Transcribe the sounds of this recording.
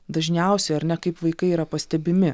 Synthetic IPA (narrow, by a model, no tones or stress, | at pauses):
d̪ɐʒʲnʲɛˑʊsʲɛɪɐɾʲnʲɛkɐɪpʋɐɪkɐɪiːɾɐpɐsʲt̪ʲɛbʲɪmʲɪ